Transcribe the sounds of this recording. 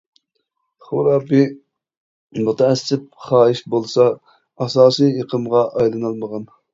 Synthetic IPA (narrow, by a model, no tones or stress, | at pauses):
χʊɾɑːbɪ | mut̪ʰɛɛsːɪp̚χɑːiʃbolˠsɑ | ɑsɑːsijjeqʰəmʁɑʔɑjlˠɨnɨlˠməʁɑn